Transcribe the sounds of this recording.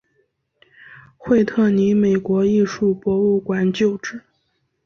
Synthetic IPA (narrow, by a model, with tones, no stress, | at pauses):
xwe˥˧ɪt̪ʰɤ˥˩ni˧˥me˨˩ɪkwɔ˧˥i˥˧ʂu˥˩pwɔ˧˥u˥˩kwa˨˩nt͡ɕjo˥˧ʊʈ͡ʂɻ̩˥˩